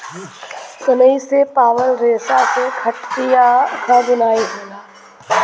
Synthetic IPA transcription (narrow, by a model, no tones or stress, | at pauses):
sʊnəisepaːʋəlɾeːsasekʰɐʈt̪ijakʰabʊnaːiɦoːɡaː